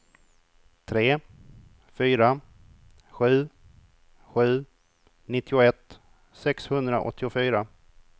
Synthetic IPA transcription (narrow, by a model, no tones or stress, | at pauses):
t̪ʰɾeː | fyːɾa | ɧʉ̟ː | ɧʉ̟ː | nɪt̪ːɪʊɛt̪ː | sɛkshɵnd̪ɾa̰ʔɔ̰t̪ʰːɪʊfyːɾa